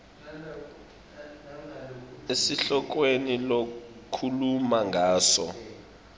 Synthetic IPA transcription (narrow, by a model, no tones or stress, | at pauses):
esiɬɔk̬wenilokʰulumaŋɡʱaːsɔ̰